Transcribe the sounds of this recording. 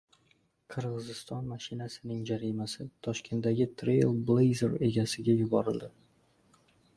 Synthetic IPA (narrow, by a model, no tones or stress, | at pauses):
qʰɨɾʁɨzɪst̪ɒnmaʃɪnasɪnɪŋd͡ʒaɾimasɪt̪ʰɒʃkʲʰe̞nt̪daɡʲɪt̪ʰɾejlˠblˠejzeɾe̞ɡʲasɪɡʲajʊbɒɾɪld̪ɪ